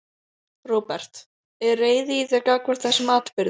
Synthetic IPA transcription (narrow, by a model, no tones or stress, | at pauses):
roːpɛr̥t̪ | ɛreːjðɪitɛkakvɛɾ̥t̪θɛsɪmaːt̪pɪɾð